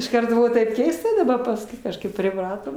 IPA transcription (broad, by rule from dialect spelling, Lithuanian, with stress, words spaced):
ɪʃˈkɐrt ˈbʊʋoː tɐɪp ˈkʲɛɪstɐ dɐˈbɐ pɐsˈkʊɪ kɐʃˈkɐɪp pʲrʲɪˈprɑːtoːm